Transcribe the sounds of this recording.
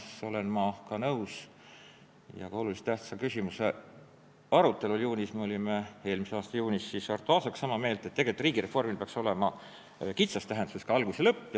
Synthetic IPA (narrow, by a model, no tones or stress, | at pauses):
so̞le̞nmɑkɑnɤuws | jɑ̰kɑo̞lulise̥t̪æht̪sɑkysʲimuse | ɑɾut̪ːˑe̞luljuːnʲismeo̞lʲime̞e̞ːlmiseɑːst̪ɑjuːnisːisɑrt̪ːˑuɑːsɑksːɑmɑme̞ːlt̪ːˑet̪ːeɡelt̪ːˑriːɡ̥iɾe̞formilpeɑkso̞le̞mɑ | kit̪sɑst̪æɦend̪u̥sestkɑɑlɡ̥uselɤpːj